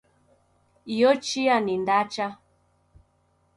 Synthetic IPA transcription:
iɔt͡ʃianindat͡ʃa

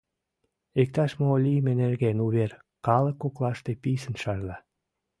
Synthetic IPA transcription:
ek̚t̪ɑʃmoolʲijəmenerɣenuβer | kɑləkːoklɑʃt̪episənʃɑrlɑ

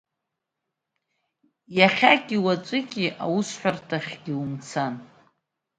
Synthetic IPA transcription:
jaχʲakʲʼiwat͡sʷʼɨkʲʼiʔa̰wusħʷᶣartʰaχʲɡʲiumt͡sʰan

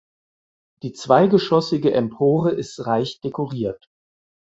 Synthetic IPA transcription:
d̥iːt͡sv̥aɪɡəʃɔsɪɡəʔɛmpʰoːʁəɪstʁaɪçd̥ekoʁiːɐt

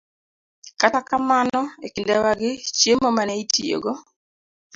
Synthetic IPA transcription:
katakamanɔekindawaɡɪt͡ʃjemomanɛitʰijo̰ɡo

